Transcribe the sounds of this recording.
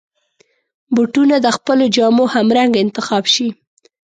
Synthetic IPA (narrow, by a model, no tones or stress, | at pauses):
buʈunad̪əxpəlod͡ʒɑmohamɾaŋɡɪnt̪ɪxɑbʃi